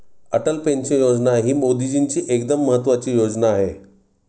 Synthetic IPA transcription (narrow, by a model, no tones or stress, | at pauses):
əʈəlpent͡sejod͡znaɦiːmod̪id͡ʑint͡ɕiːʔekd̪əmːəɦət̪ːʋat͡ɕiːjod͡znaːɦe